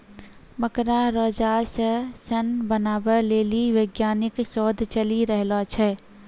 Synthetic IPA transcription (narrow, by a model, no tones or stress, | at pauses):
məkɾaɾɔːd͡ʒasəsənbənaːbəɾleːliʋəɡjaːnɪkʃɔːd̪ʱt͡ʃəliɾəɦlat͡ʃʰɛ